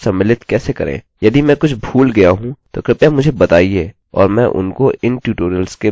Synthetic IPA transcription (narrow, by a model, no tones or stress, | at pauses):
sɐmɪlɪt̪kɛːsekɐ̰ɾḛ̃ː | jɐd̪imɛ̃kʊt͡ʃʰbʱuːlɡɐjaɦũt̪okɾɪpjamʊd͡ʒʱebɐt̪aːieː | ɔ̰ːɾmɛ̃ʔʊ̰nkoʔɪnʈjuːʈoːɾəlske